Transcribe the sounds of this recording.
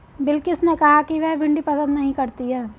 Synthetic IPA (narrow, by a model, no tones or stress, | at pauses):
bɪlkɪsnekɐɦakiʋɛɦbʱɪ̃ɳɖipɐsə̃nd̪nɐɦĩkɐɾt̪iɦɛː